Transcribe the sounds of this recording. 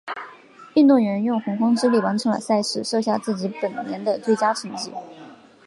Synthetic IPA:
y˥˧nt̪ʊ˥˩ŋɥɛ˧˥njʊ˥˩ŋxʊ˧˥ŋxɑ˥ŋʈ͡ʂɻ̩˥li˥˩wa˧˥nʈ͡ʂʰɤ˧˥ŋlə̰˧˩ɪsa˥˧ɪʂɻ̩˥˩ʂɤ˥˧ɕja˥˧t͡sɹ̩˥˩t͡ɕi˧˥pə˨˩nnjɛ˧˥nd̪ə˧t͡swe˥˩ɪt͡ɕja˥ʈ͡ʂʰə˧˥ŋt͡ɕi˥˩

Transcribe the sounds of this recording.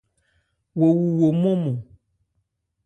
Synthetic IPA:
wo˨wu˨wo˨mɔ̃˦mɔ̃˨

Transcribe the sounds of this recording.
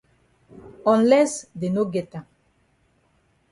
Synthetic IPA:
ɔ̃˨nlɛ˦sd̪e˨no˦ɡet̪a˨

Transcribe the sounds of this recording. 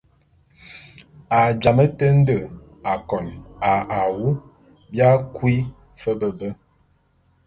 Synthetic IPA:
a˨d͡ʒa˨mə˦tə˦n̩˦də˨ | a˨kɔ˨na˨a˨wu˦ | bja˦kwi˦ | fə˦bə˨bə˦

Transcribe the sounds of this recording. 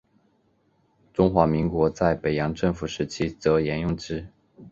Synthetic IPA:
ʈ͡ʂʊ˥ŋxwa˧˥mi˧˥ŋkwɔ˧˥t͡sa˥˩ɪpe˨˩ɪjɑ˧˥ŋʈ͡ʂɤ˥˩ŋfu˨˩ʂɻ̩˧˥t͡ɕʰi˥t͡sɤ˧˥jɛ˧˥njʊ˥˩ŋʈ͡ʂɻ̩˥

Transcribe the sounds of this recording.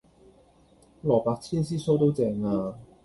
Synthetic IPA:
lɔː˨˩paː˧k̚t͡sʰiː˥ns̬iː˥so˥wt̪o˥wt͡sɛː˧ŋaː˧

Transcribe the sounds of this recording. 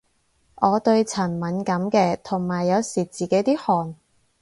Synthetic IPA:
ʔɔː˨˧t̪ɵ˧ɥt͡sʰɐ˨˩nmɐ˨˥nkɐ˨˥mkɛː˧t̪ʰʊ˨˩ŋmaː˨˩jːɐ˨˧wsiː˨˩t͡siː˨˩ke˨˥jt̪iː˥hɔː˨˩n

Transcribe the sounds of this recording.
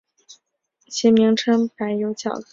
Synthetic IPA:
t͡ɕʰi˧˥mi˧˥ŋʈ͡ʂʰɤ˥ŋpa˧˥ɪjo˧˥ʊt͡ɕʰjɑ̰˨˩ʊk

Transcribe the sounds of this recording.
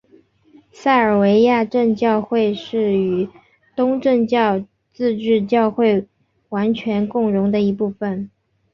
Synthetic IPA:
sa˥˩ɪə˞˨˩we˧˥ɪja˥˧ʈ͡ʂə˥˧nt͡ɕjɑ˥˧ʊxwe˥˧ɪʂɻ̩˥˩y˨˩ | t̪ʊ˥ŋʈ͡ʂə˥˧ŋt͡ɕjɑ˥˧ʊ | t͡sɹ̩˥˧ʈ͡ʂɻ̩˥˧t͡ɕjɑ˥˧ʊxwe˥˩ɪ | wa˧˥nt͡ɕʰɥɛ˧˥nkʊ˥˩ŋɻʊ˧˥ŋd̪ə˧i˧˥pu˥˩fə˩n

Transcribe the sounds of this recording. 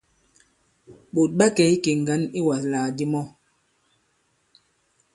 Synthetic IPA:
ɓo˨t̚ɓa˦kɛ˨˦i˦ke˨ŋ̩˨ɡa˨˦ni˦wa˨slaː˨di˦mɔ˦

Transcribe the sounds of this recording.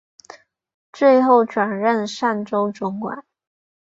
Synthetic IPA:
t͡swe˥˧ɪxo˥˩ʊʈ͡ʂwa˨˩nɻə˥˧nʂa˥˩nʈ͡ʂo˥ʊʈ͡ʂʊ˧˥ŋkwa̰˨˩˦n

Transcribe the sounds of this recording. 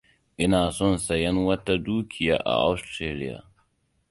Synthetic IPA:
ʔɪ˦naː˨sɔ˦˨nsɐ˨jɛ˦nwɐ˦ta˦duː˦kʲʰɪ˨ja̰ː˨˦ʔa̰˨ʔa˦wstɾeː˦lɪ˦ja̰ː˨

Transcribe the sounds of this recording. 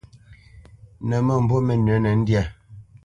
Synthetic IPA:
nɛ˨mə˦˨m̩˨bo˦mɛ˨nə˨˦nɛ˨n̩˦dja˦˨

